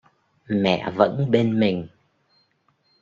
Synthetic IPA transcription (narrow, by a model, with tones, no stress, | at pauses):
mɛ̰˧˨və̰˧˥nɓe˧nmï˨˩ŋ̟